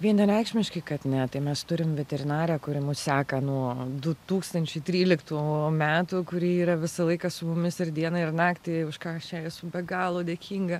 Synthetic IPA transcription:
ʋʲiɛnʲɐnʲɛɪkʃʲmʲɪʃʲkʲɐɪkɐt̪nʲɛt̪ɐɪmʲɛst̪ʊɾʲɪmʋʲɛt̪ʲɛɾʲɪnɑːɾʲɛːkʊɾʲɪmʊssʲæːkɐnuɔd̪ʊt̪uːkst̪ɐnʲt͡ʃʲɛɪt̪ʲɾʲiːlʲɪkt̪uːmʲæːt̪ʊkʊɾʲiːiːɾɐʋʲɪsɐlˠɐɪkɐsʊmʊmʲɪsɪrd̪ʲiɛnɐɪrnɑːkt̪ʲɪʊʃkɑːɐʃt͡ʃʲɛɛsʊbʲɛɡɑːlˠoːd̪ʲeːkʲiːŋɡɐ

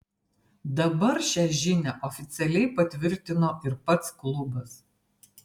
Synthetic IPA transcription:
d̪ɐbɐɾʃʲæʒʲɪnʲɛʔɔfʲɪt̪sʲɛlʲɛɪpɐt̪ʲʋʲɪɾʲt̪ʲɪnoːʔɪɾpɐt̪sklˠʊbɐs

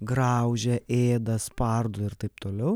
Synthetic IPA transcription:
ɡɾɑʊʒʲɛʔeːd̪ɐspɐɾd̪ʊɪɾt̪ɐɪpt̪oːlʲɛʊ

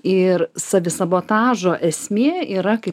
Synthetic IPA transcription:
ɪɾsɐʋʲɪsɐboːt̪ɑːʒoːʔɛsʲmʲeːiːɾɐkɐɪ

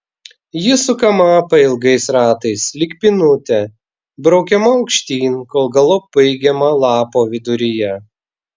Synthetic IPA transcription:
jɪsʊkɐmɐpɐɪlˠɡɐɪsɾɑːt̪ɐɪslʲɪkpʲɪnʊt̪ʲɛ | bɾɐʊkʲɛmɐɐʊkʃʲt̪ʲiːnkoːlˠɡɐlˠɔb̥ɐɪɡʲɛmɐlˠɑːpoːʋʲɪd̪ʊɾʲɪjɛ

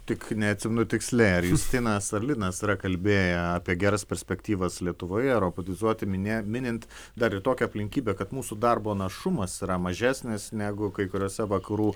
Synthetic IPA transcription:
t̪ʲɪknʲɛɐt̪ʲsʲɪmʲɛnʊt̪ʲɪksʲlʲɛɪɐɾjuːst̪ʲɪɪnɐsɐrlʲɪnɐsiɾɐkɐlʲbʲeːjɛɑːpʲiɛɡʲæːɾɐspʲɛɾʲsʲpʲɛkt̪ʲiːʋɐslʲiɛt̪ʊʋoːjɛɛɾoːpɐt̪ʲɪzuɔt̪ʲɪmʲɪnʲeːmʲɪnʲɪnʲt̪ʲ | d̪ɐɾɪt̪oːkʲɛɐpʲlʲɪŋʲkʲiːbʲeːkɐt̪muːsud̪ɐrboːnɐʃʊmɐsiɾɐmɐʒʲæːsʲnʲɪsnʲæːɡʊkɐɪkʊɾʲoːsʲɛʋɐkɐɾuː

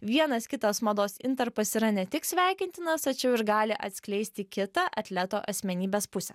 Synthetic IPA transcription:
ʋʲiɛnɐskʲɪt̪ɐsmɐd̪oːsɪ̰nt̪ɐɾpɐsiɾɐnʲɛt̪ʲɪksʲʋʲæˑɪkʲɪnʲt̪ʲɪnɐst̪ɐt͡ʃʲɛʊɪɾɡɑːlʲɪʔɐ̰t̪ʲsʲkʲlʲɛɪsʲt̪ʲɪkʲɪt̪ɐʔɐt̪ʲlʲɛt̪oːʔɐsʲmʲɛnʲiːbʲeːspʊsʲɛ

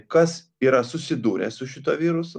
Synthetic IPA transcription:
kɐs | iːɾɐsʊsʲɪd̪uːɾʲɛssʊʃʲɪt̪oːʋʲiːɾʊsʊ

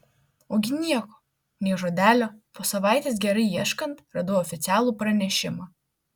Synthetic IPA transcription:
oːɡʲɪnʲiɛkoː | nʲɛɪʒoːd̪ʲæːlʲoːpoːsɐʋɑˑɪt̪ʲeːs̬ɡʲɛɾɐɪiɛʃkɐnt̪ɾɐd̪oɔːfʲɪt̪sʲæːlˠuːpɾɐnʲɛʃʲɪmɑ

